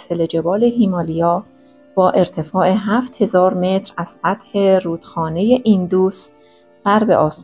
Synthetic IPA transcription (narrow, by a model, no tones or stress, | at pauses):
seled͡ʒe̞bɒːle̞ɦiːmɒːlijɒː | b̥ɒːʔe̞ɾt̪ʰe̞fɒːeɦæft̪he̞zɒːɾme̞t̪ʰɾæz̥sæt̪he̞ɾuːd̪̥xɒːne̞je̞ʔind̪uːs | v̥æɾbe̞̰ʔɒːs